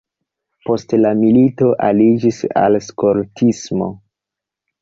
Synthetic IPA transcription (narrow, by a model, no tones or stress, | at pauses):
po̞stlamilito̞ʔalid͡ʒisa̰lskoɾtʰismo̞̰